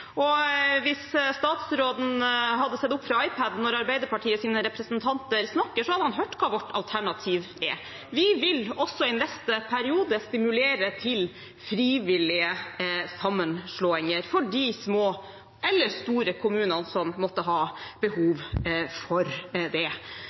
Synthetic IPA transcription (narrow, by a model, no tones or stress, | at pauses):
ɔʋɪsst̪ɑːt̪sɾoːd̪n̩ɦɑd̪ːəsɛt̪ːʊpːfɾɑɑɪpʰæd̪nɔɾɑɾbæɪd̪əɾpɑʈʰiːəsiːnəɾɛpɾəsənt̪ʰɑnt̪əɾsnɑkːəʂɔhɑd̪ːəhɑnɦøːʈːkʰɑːʋɔʈʰːɑlt̪ʰæɳɑt̪ʰiːʋ | ɛ | ʋɪʋɪlɔsːɔɛɪnɛst̪əpʰæɾɪuːd̪əst̪ɪmʉleːɾət̪ʰɪl | fɾiːʋɪlɪəsɑmːənʂɭoːɪŋəɾfɔɖismoː | ʔɛlːəɾst̪uːɾəkʰʊmʉːnənsɔmːɔt̪ːəɦɑːb̥əhuːʋfɔɾd̪ɛ